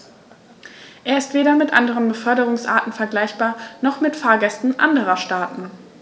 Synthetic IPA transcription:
ʔeːɐɪstv̥eːɾɐmɪtʔa̰ndəʁ̞ənbəfœɐɾəʁ̞ʊŋsʔa̰ːɐtn̩fɛɐɡlaɪçb̥aːɐnɔχmɪtfaːɐɡɛstn̩ʔa̰ndəʁɐʃtaːtn̩

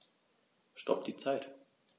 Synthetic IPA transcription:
ʃtɔ̰p̚d̥iːt͡saɪt

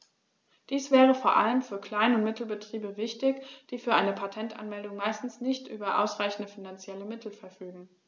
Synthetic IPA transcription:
d̥iːsv̥ɛːʁ̞əfoːɐʔa̰ləmfyːɐkl̥aɪnʊntmɪtl̩bətʁ̥iːbəvɪçtɪçd̥iːfyːɐʔaɪnəpʰatʰɛnta̰nmɛldʊŋmaɪstn̩snɪçtʔy̰ːbɐʔa̰ʊsʁ̥aɪçn̩dəfinant͡sjɛləmɪtʰl̩fɛɐfyːɡŋ̩

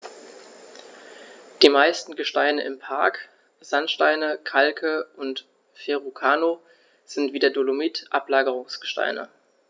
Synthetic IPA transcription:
d̥iːmaɪstn̩ɡəʃtaɪnəʔɪmpʰaɐk | z̥antʃtaɪnəkʰalkʰəʔʊnt | feʁukʰaːno | z̥ɪntv̥iːdɐdolomitʔaplaːɡəʁ̞ʊŋsɡ̥ə̥ʃta̰ɪnə̰

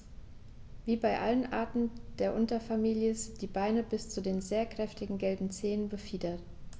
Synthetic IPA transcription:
viːbaɪʔa̰lənʔa̰ɐtn̩d̥eːɐʔʊntɐfamiːljəzɪd̥iːbaɪnəbɪst͡sudeːnzeːɐkʁ̥ɛftɪɡŋ̩ɡɛlbm̩t͡seːənbəfiːdɐt

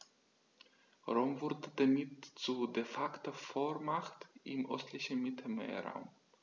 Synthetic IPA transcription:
ʁoːmvʊɐdədamɪtt͡sudefaktɐfoːɐmaχtʔɪmʔœstʰlɪçn̩mɪtʰl̩mḛːɐʁa̰ʊm

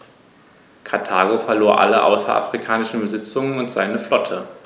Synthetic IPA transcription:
kʰaɐtʰaːɡofɛɐloːɐʔa̰ləʔa̰ʊsɐ̰ʔa̰fʁ̥ikʰaːnɪʃn̩bəzɪt͡sʊŋənʊntz̥aɪnəflɔtʰə

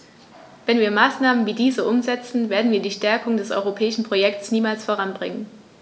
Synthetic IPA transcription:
vɛnviːɐmaːsnaːmənviːdiːzəʔʊmzɛt͡sn̩veːɐdn̩viːɐdiːʃtɛɐkʊŋdɛsʔɔ̰ʏʁopʰɛːɪʃn̩pʁ̥ojɛk̚sniːmaːlsfoːɐʁanbʁɪŋən

